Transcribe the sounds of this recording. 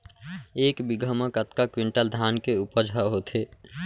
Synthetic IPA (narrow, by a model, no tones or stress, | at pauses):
eːkbiɡʱəməkət̪kakwiɳʈəld̪ʱaːnkeupəd͡ʒʱaɦot̪ɦeː